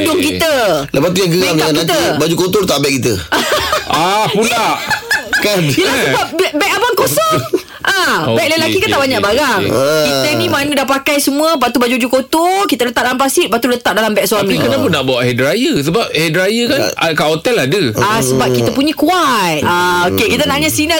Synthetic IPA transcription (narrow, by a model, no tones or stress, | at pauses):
dʊŋkit̪ələpaʔt̪ujaŋɡəɡaakiat̪əbad͡ʒukot̪olət̪aʔbɛʔkit̪ə | ʔapulaʔkanjəlasəbap̚bɛbɛk̚abaŋkosɔŋ | ʔãobɛklalakikant̪aʔbaɲãʔbaɾaŋkiəinĩmanədapakajsəmũəpaʔt̪ubad͡ʒuad͡ʒukot̪okit̪ələt̪aʔ̚dalampasit̪̚baʔt̪ulət̪aʔ̚dalambɛk̚suamĩkənãpʊnːaʔbawaʔhɛdɾajəsəbap̚hedɾajəkanakaʔot̪ɛladəasəbap̚kit̪əpuɲəkuat̪̚aokekit̪̬ənaʔɲasina